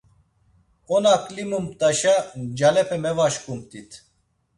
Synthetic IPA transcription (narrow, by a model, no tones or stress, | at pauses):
ɔnaklimumt̪aʃad͡ʒalɛpʰɛmɛvaʃkumt̪it̪ʰ